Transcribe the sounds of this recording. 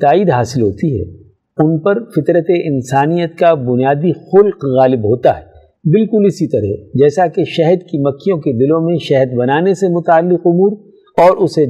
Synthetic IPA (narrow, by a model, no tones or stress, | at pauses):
t̪aːiːd̪ɦaːsɪlɦoːt̪iɦɛ̰ː | ʊnpɐɾfɪt̪ɾət̪eʔɪ̃nsaːnijət̪kabʊnijaːd̪ixʊlqɣaːlɪbɦoːt̪aɦɛː | bɪlkʊlɪsit̪ɐɾɦɛ̰d͡ʒɛːsakeʃɛɦd̪kimɐkʰːijõkeb̪ɪlõmẽʃɛɦd̪bɐnaːnesemʊt̪aːlːɪqʊmuːɾ | ɔːɾʊse